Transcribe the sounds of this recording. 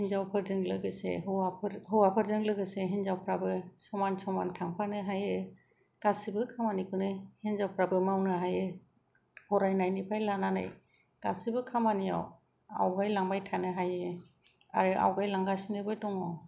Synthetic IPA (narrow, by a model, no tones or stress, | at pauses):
hinzawpʰɯɾzɯŋlɯɡɯsḛɦɯwapʰɾɦɯwapʰɯɾzɯŋlɯɡɯseɦinzawpʰɾabɯsɔmansɔmantʰaŋpʰanɯɦajɯ | ɡ̥asibɯkʰamanikʰɯnɯhinzawpɾabɯmawnɯɦajɯ | pʰɔɾajnajnipʰajlanana̰j | ɡ̥asibɯkʰamanija̰w | a̰wɡajlaŋbajtʰanɯɦajɯ | a̰ɾɯʔa̰wɡajlaŋɡasinɯbɯdɔŋɔ